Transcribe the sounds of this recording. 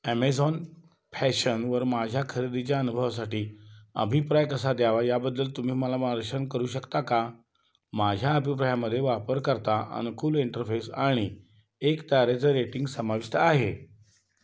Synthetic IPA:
æmed͡zɔn | pʰæɕənʋəɾmad͡ʑʱjakʰəɾid̪it͡ɕjaənubʱəʋas̬aʈiːə̰bʱipɾajkəsad̪jaʋajabəd̪ːəlt̪um̤iːməlaməaɾəɕənkəɾuːɕəkt̪aka | mad͡ʑʱjaəbʱipɾajaməd̪ʱːjeʋapəɾkəɾt̪aʔə̰nukuːliɳʈəɾfesa̰ɽ̃i | ekt̪aɾet͡səɾeʈiŋɡsəmaʋist̪ʰəaɦe

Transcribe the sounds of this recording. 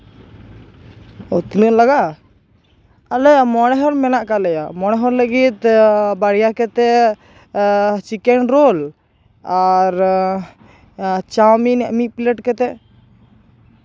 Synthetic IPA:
ɔt̪inəʔlaɡaʔ | alɛjamɔɽ̃ɛɦɔɾmɛnaʔkalɛjamɔɽ̃ɛɦɔɾləɡit̪baɽijakɛt̪ɛ | t͡ʃikɛnɾol | aɾ | t͡ʃawminɛʔmiʔ̚pleʈkɛt̪ɛ

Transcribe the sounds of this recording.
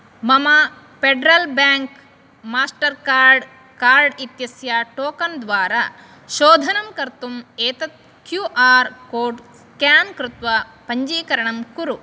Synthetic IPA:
mɐmɐ | peɖɾɐlbaːŋk | maːsʈɐɾkaːɾɖ | kaːɾɖit̪jɐsjɐʈoːkɐnd̪ʋaːɾɐ | ʃoːd̪ʱɐnɐmkɐɾt̪umeːt̪ɐt̪̚ | kjuʔaːɾkoːɖskjaːnkɾut̪ʋɐpɐɲd͡ʒiːkɐɾɐɳɐmkuɾu

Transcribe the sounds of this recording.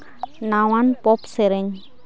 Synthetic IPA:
nawanpɔpseɾeɲ

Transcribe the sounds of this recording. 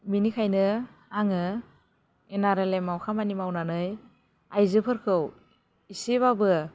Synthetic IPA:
minikʰajnɯaŋɯ | enaɾelemawkʰamanimawnanɯj | ajzɯpʰɯɾkʰɯw | iseβabɯ

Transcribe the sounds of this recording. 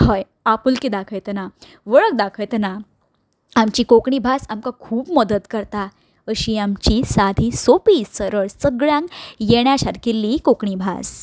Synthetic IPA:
həj | apulkid̪akʰəjt̪na | ʋəɭək̚d̪akʰəjt̪na | amt͡ɕiːkokɳibʱasamkakʰuːpməd̪ət̪kəɾt̪a | əɕiːamt͡ɕiːsad̪ʱiːsopiːsəɾəɭsəɡɭjãŋkjeɳjaɕaɾkelːikokɳibʱa̰s

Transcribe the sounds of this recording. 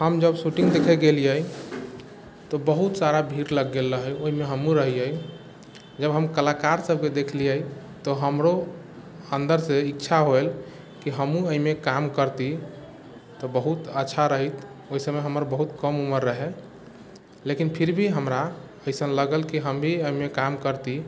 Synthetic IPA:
həmd͡ʒəbsuʈĩŋɡd̪ekʰɛɡelijəi | t̪ɔbəɦut̪saɾabʱiɾləɡːelːəɦəjoɦimeɦəmũɾəɦiəj | d͡ʒəbɦəmkəlakaɾsəb̚ked̪ekʰlijəi | t̪ɔɦəmɾo | ənd̪əɾseitːʃʰaɦoel | kiɦəmũəimekamkəɾt̪i | t̪ɔbəɦut̪ətːʃʰaɾəɦit̪ | oɦisəmeɦəməɾbəɦut̪kəmuməɾːəɦe | lekinpʰiɾbʱiɦəmɾa | əjsənləɡəlkiɦəmbʱiəimekamkəɾt̪i

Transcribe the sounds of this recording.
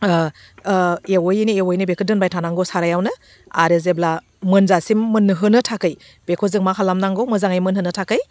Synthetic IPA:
ewɔjiniewɔjnɯbekʰɯdɯnbajtʰanaŋɡɔsaɾajawnɯ | aɾezebla | mɯnzasimːɯnɦɯnɯtʰakɯj | b̥ekʰɔzɯŋmakʰalamnaŋɡɔwmɯzaŋajmɯnɦɯnɯtʰakɯj

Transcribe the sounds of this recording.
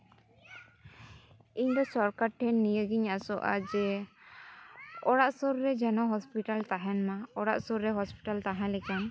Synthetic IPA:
iɲd̪ɔsɔɾkaɾʈʰɛnːijəɡiɲasɔʔa̰d͡ʒɛ | ɔɽaʔsɔɾːɛd͡ʒanɔɦɔspiʈalt̪aɦɛnmaɔɽa̰ʔsɔɾɾɛɦɔspi̥ʈalt̪aɦãlɛkan

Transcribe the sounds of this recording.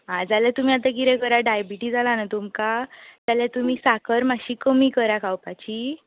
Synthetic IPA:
ɦãd͡zaljat̪um̤iːat̪akiɾɛ̃kəɾaɖajbiʈiːd͡zalanat̪umkat̪jaljat̪umiːsakʰəɾmaɕiːkəmiːkəɾakʰawpat͡ɕiː

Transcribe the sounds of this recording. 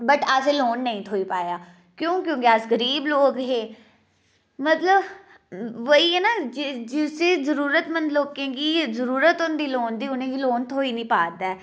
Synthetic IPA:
bəʈaseloːnːəĩːt̪ʰoːiːpaːjaː | kjõːkjõːkeasɡəɾiːbloːkɦeː | mət̪ləb | ʋəiːɛːnaːd͡ʒɪd͡ʒɪseːzəɾuːɾət̪mənloːkẽːɡiːzəɾuːɾət̪ʊnd̪iːloːnd̪iːʊnẽːɡiːloːnt̪ʰoːiːnĩːpaːd̪aɛ

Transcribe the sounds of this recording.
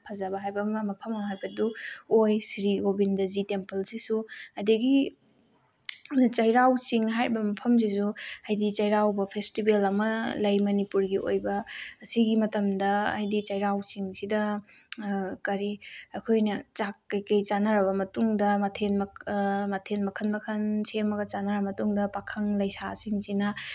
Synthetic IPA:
pʰɐzɐbɐɦajbɐmmɐpʰɐmɐmɦajbɐduojsiɾiɡobindɐzitempɐlsisuɐjdɐɡi | t͡ʃɐjɾawt͡ʃiŋɦaɾibɐmɐpʰɐmz̬izuɐjdit͡ʃɐjɾawbɐpʰestibelɐmɐlɐjmɐnipuɾɡio̰jbɐːsiɡimɐtɐmdɐɐ̰jdit͡ʃɐjɾawt͡ʃiŋsidɐ | kɐɾiɐkʰojnɐt͡ʃakkːɐjkɐjt͡ʃanaɾɐβɐmɐtuŋdɐmɐtʰenmɐmɐtʰenmɐkʰɐnmɐkʰɐnsemɐɡɐt͡ʃanaɾɐmɐtuŋdɐpakʰɐŋlɐjsasiŋsinɐ

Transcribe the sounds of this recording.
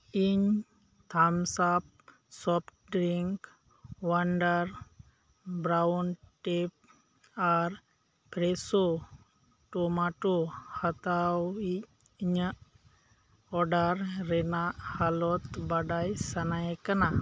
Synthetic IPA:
iɲ | t̪ʰamsap̚ | sɔpʰʈɖɾiŋk | waɳɖaɾ | bɾawnʈep̚ | aɾ | pɾɛso | ʈɔmaʈohat̪awi | ɲəʔ | ɔɖaɾɾɛnaʔhalɔt̪baɖajsanajɛkana

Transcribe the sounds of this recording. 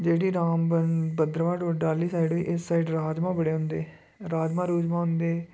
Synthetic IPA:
d͡ʒeːɽiːɾaːmbənbəd̪ɾəʋaːɖoɖaːliːsaːiɖʋḭːʔɪsːaːiɖɾaːd͡ʒmãːbəɽeːɦʊ̃nd̪ḛː | ɾaːd͡ʒmãːɾuːd͡ʒmãːɦʊnd̪eː

